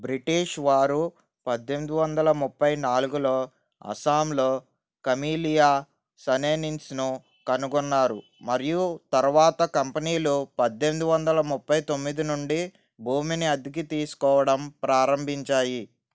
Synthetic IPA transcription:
bɾiʈiːʂʋaːɾu | pɐd̪ːe̞nd̪uʋɐnd̪ɐlɐmupːɐjnaːluɡulo̞ː | ɐ̰saːmloː | kɐmiːlijaː | sɐneːninsnu | kɐnuɡunːaːɾu | mɐɾijut̪ɐɾuʋaːt̪ɐkɐmpɐniːlupɐd̪ːe̞nd̪uʋɐnd̪ɐlɐmupːɐjt̪o̞mːid̪inuɳɖi | bʱuːminiɐd̪ik̬it̪iːsu̥kɔːʋɐɽɐmpɾaːɾɐmbʱiɲt͡ʃaːji

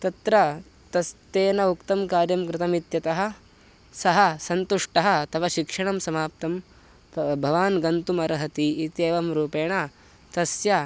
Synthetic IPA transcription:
t̪ɐt̪ɾɐ | t̪ɐst̪eːnɐukt̪ɐmkaːɾjɐmkɾɪt̪ɐmit̪jɐt̪ɐɦɐ̆ | sɐɦɐsɐnt̪uʂʈɐɦɐ̆t̪ɐʋɐʃikʂɐɳɐmsɐmaːp̚t̪ɐm | t̪ɐbʱɐʋaːnɡɐnt̪umɐɾɐɦɐt̪iːt̪eːʋɐmɾuːpeːɳɐ | t̪ɐsjɐ

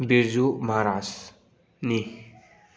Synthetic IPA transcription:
biɾzumaɾas | ni

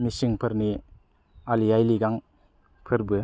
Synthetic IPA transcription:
misiŋpʰɯɾni | alijajliɡaŋ | pʰɯɾbɯ

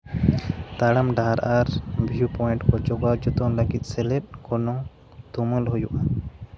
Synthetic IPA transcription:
t̪aɽamɖaɾʔaɾbʱijupɔɛɳʈkɔd͡ʒɔɡaɾd͡ʒɔt̪ɔŋləɡit̪̚ˀsɛlɛt̚ˀkɔnɔŋ | t̪uməlɦɔjuʔa

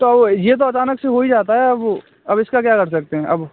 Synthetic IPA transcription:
t̪oɐbjet̪̬oɐt͡ʃaːnəkseɦoid͡ʒaːt̪aɦɛɐb | ɐbɪskakjaːkɐɾsɐk̚t̪eɦɛ̃ʔɐb

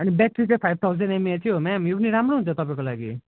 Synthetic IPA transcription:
ʌnibɛk̚ʈrit͡sãĩpʰajb̚t̪ʰawzʌnemiat͡sʰijɦomɛmjopʌniɾamɾoɦunt͡sʰʌt̪ʌpãẽkolaɡi

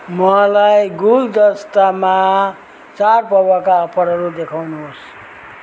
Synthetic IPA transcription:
mʌalajɡuld̪ʌst̪ama | t͡sarpʌbakaʌpʰʌɾɦʌɾud̪ekʰawnuɦos

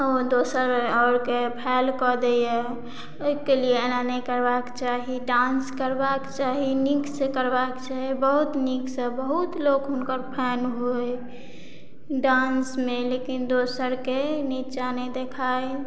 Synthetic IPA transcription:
od̪osəɾɔɾkepʰɛlkɔd̪eje | oikelienanəjkəɾbakt͡ʃaɦiɖãnskəɾbakt͡ʃaɦiniksekəɾbakt͡ʃaɦibəɦut̪niksəbəɦut̪lokɦʊnkəɾpʰɛnɦoe | ɖãnsmelekind̪osəɾkenit͡ʃaned̪ekʰae

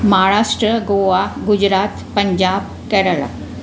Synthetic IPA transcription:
mɦaɾaʂʈɾəɡoʋaɡud͡ʑɾat̪pəɲd͡ʑab | kɛɾəɭa̰

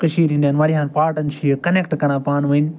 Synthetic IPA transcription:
kɐʃiːɾɦĩnd̪jaːnʋaːɾiɦãːnpaːɾʈənt͡ʃʰiːkɐneːk̚ʈkɐɾãːpaːnʋin

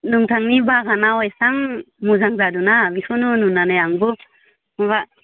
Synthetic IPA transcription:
nuŋtʰaŋnibaɡanawajsaŋ | muzaŋzadunabisʰɔnununanajaŋbɯ | maβa

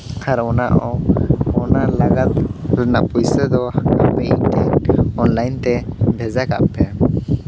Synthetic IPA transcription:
haɾɔnaʔɔɔnalaɡat̪̚ɾɛnaʔpujsɛd̪ɔa̰bɛʔiɲt̪ɛɔnlajnt̪ɛbʱɛzaka̰ʔpɛ

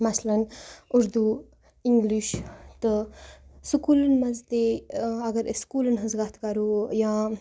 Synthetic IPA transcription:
mɐslɐnʊɾd̪u | iŋɡliʃt̪ɨ | sukuːlɐnmɐzt̪eɐɡɐɾskuːlɐnɦɐzɡat̪ʰkɐɾoːjãː

